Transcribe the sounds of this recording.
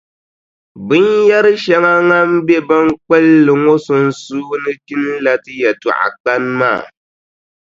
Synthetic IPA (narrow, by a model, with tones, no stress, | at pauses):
bɨ˦nja˦ɾɨ˦ʃa˦ŋa˦ŋa˦m̩˦be˦ba˦ŋ˦k͡pɛ˦lːɨ˨ŋo˦sʊ˨n̩˦suː˦nɨ˦ki˦n˦la˦tɨ˦jɛ˨tṵ˨ʔa̰˨k͡pa˦n˦ma̰ː˦˨